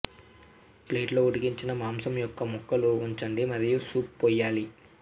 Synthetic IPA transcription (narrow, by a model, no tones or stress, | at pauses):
pleːʈlo̞ːuɽiɡiɲt͡ʃinɐmaːmsɐmjɔkːɐmɔkːɐluuɲt͡ʃɐɳɖimɐd̪ɐjusuːppɔːjːaːli